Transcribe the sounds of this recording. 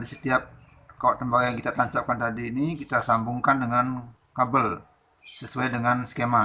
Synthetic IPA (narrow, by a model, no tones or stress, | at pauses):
adisət̪iap̚ | kawaʔt̪əmbaɡajaŋkit̪at̪aɲt͡ʃap̚kant̪adiːnikit̪asambuŋkandəŋan | kabəl | səsuajdəŋansə̥kema